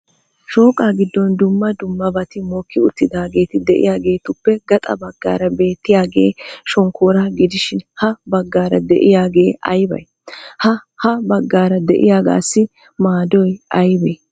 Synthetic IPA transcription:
ʃo̞ːkʼaːɡɪd̪ːɔnd̪ʊmːɐd̪ʊmːɐbɐt̪ɪmoːkʰːɪʊt̪ːɪd̪aːɡe̞ːt̪ɪd̪ɛʔɪ̰jaːɡe̞ːt̪ʊpːɛɡɐt̪ʼɐ̰bɐɡːa̰ːɾɐbe̞ːt̪ːɪjaːɡe̞ːʃɔŋkʰoːɾɐɡɪd̪ɪʃɪnhɐbɐɡːaːɾɐd̪ɛʔɪjaːɡe̞ːɐ̰jbɐ̰j | hɐhɐbɐɡːaːɾɐd̪ɛʔɪ̰jaːɡa̰ːsːɪ | maːd̪ɔjɐjbeː

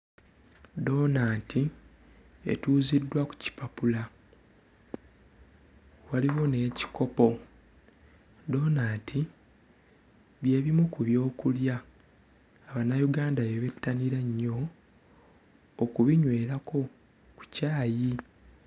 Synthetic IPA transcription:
do̞ːnaːtʰi | e̞̰tuːzidːwaku̥ci̥papula | waliwo̞ne̞ːci̥ko̞po̞ | do̞ːnaːtʰi | βje̞ːβimukuβjo̞ːkuljaː | βanːajuɡaːndaβeβe̞tːaniɾeɲːo̞ | kuβiɲwe̞ːɾakʰo̞ | ku̥caːji

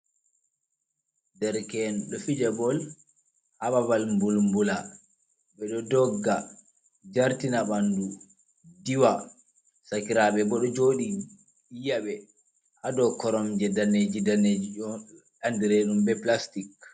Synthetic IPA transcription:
dɛɾkɛnɗɔfid͡ʒɛbɔl | hababalmbulmbula | bɛɗɔdɔɡːa | d͡ʒaɾtinaɓandu | diwa | sakiɾabɛbɔɗɔd͡ʒoːɗi | ijaɓɛ | ʔadɔkɔɾɔmd͡ʒɛdaned͡ʒidaned͡ʒiɔ | andiɾenumbɛplastik

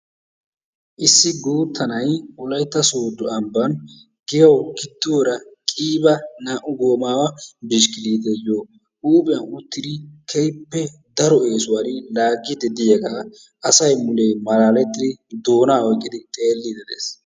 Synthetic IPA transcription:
ʔɪsːɪɡuːt̪ːɐnɐjʔʊlɐjt̪ːɐsoːd̪ːʊɐmbɐn | ɡ̥ɪjɐwkɪt̪ːɪwɔɾɐkʼiːbɐnaːʔʊɡo̞ːmaːwɐbɪʃkɪliːt̪ɛjoː | ʔuːbʼɪjɐʊt̪ːɪd̪ɪkʰɛjpːɛ | d̪ɐɾɔe̞ːsʊwaɾɪlaːɡːɪd̪ɛd̪ɪjɐɡaː | ʔɐsɐjmʊlemɐlaːlɛt̪ːɪd̪ɪd̪o̞ːnaːɔjkʼːɪd̪ɪt̪ʼe̞ːlːid̪ɛd̪ḛːs

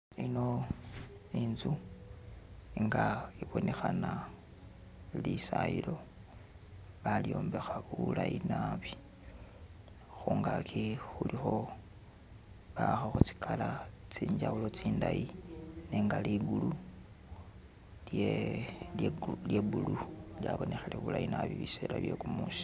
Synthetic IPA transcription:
ino̞ | inzu | iŋɡaiβo̞nexana | lisailo̞ | βaljo̞ːmbe̞xaβulainaβi | xuːŋɡakʰixulixo̞ | βaxaxut͡si̥kʰalat͡siːɲd͡ʒaulo̞t͡siːndajine̞ːŋɡaliɡulu | le | ljebululjaβo̞nexeleβulajinaβiβiselaβje̞kumuːsi̥

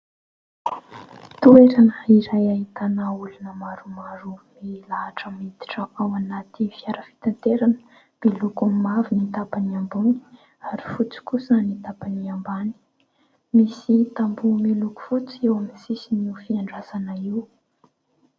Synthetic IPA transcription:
t̪ueɾanəiɾajait̪anaulunəmaɾumaɾumilaɦaʈ͡ʂəmit̪i̥ʈ͡ʂəʔawanat̪ifiaɾəfi̥t̪ant̪eɾanə̥ | b̥ilukamavinit̪apaniambuni̥ | aɾi̥fut͡si̥kusanit̪apaniambani̥ | misit̪ambumiluku̥fut͡siewaminsisinufiaɳɖ͡ʐazanaiw

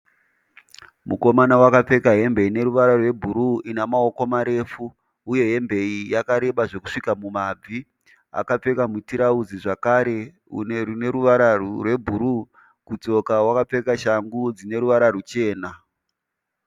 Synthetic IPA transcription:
muko̞manawakap͡fe̞kaɦe̞mbe̞ine̞ɾuʋaɾarwe̞bʱuɾuinamaokomaɾe̞fuː | je̞ɦe̞mbe̞ijakaɾe̞ɓaʐe̞ku̥ʂikamumab͡vi | a̰kap͡fe̞kamutiɾaud͡ziʐakaːɾe̞ | ṵnerune̞ɾuʋaɾarwe̞bʱuɾu | kut͡so̞kawakap͡fe̞kaʃaŋɡud͡zine̞ɾuʋaɾarut͡ʃe̞ːna

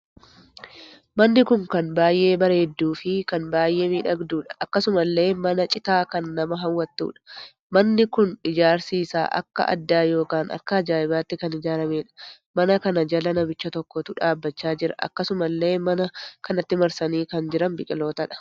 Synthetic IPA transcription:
mɐnːɪkʊŋkɐnbaːjʔe̞ːbɐɾe̞ːd̪ːuːfɪkɐnbaːjʔe̞ːmiːᶑɐɡd̪uːᶑɐ̥ʔɐkːɐsʊmɐlːe̞ːmɐnɐt͡ʃʼɪt̪aːkɐnːɐmɐɦɐwːɐt̪ːṵːᶑɐ̥ | mɐnːɪkʊnɪd͡ʒaːɾsiːsa̰ːʔɐ̰kːɐ̰ʔɐ̰d̪ːaːjo̞ːkaːnɐ̰kːɐɐd͡ʒaːʔɪbaːt̪ːɪkɐnɪd͡ʒaːɾɐme̞ːᶑɐ̥ | mɐnɐkɐnɐd͡ʒɐlɐnɐbɪt͡ʃːɐt̪ɔkːɔt̪ʊᶑaːbːɐt͡ʃːaːd͡ʒɪɾɐ̰ʔɐ̰kːɐsʊmɐlːe̞ːmɐnɐkɐnɐt̪ːɪmɐɾsɐniːkɐnd͡ʒɪɾɐnbɪkʼɪlo̞ːt̪ɐᶑɐ̥

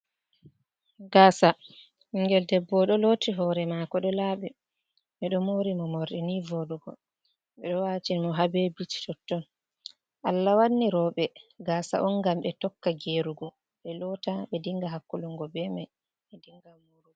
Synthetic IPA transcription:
ɡaːsa | iŋɡɛldɛbːɔɗɔlotiɦɔɾɛmakɔɗɔlaːɓɛ | ɓɛɗɔmoɾimɔmoɾɗinivoɗuɡɔ̰ | ɓɛɗɔwat͡ʃinmɔɦabɛbit͡ʃi̥tɔtːɔn | ʔalːawanːiɾɔɓɛɡasa̰ʔɔnɡamɓɛtɔkːaɡeɾuɡɔ | ɓɛlɔtaɓɛdiŋɡaɦakːuluŋɡɔbɛmaj | ɓɛdiŋɡamuɾuɡɔ

